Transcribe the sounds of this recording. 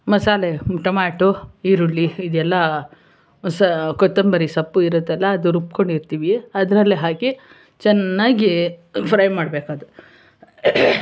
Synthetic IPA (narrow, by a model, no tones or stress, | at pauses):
mɐsaːleʈɐmaːʈuiɾulːiːd̪ɛlːɐ | sɐkɔt̪ːɐmbɐɾisɐpːuiɾut̪ːɛlːɐːd̪uɾup̚koɳɖiɾt̪iːʋiɐd̪ɐɾɐlːiɦaːki | t͡ʃɛnːaːɡipʰɾɐjmaːɽbeːkaːd̪u